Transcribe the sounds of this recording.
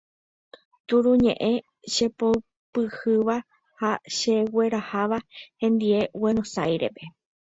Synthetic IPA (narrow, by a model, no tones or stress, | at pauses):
t̪uɾũɲẽ̞̰ʔẽ̞ | ʃe̞pow | pɨhɨʋa | haʃewe̞ɾahaʋahẽ̞nd̪ie̞weɾ̃osajɾe̞̰pe̞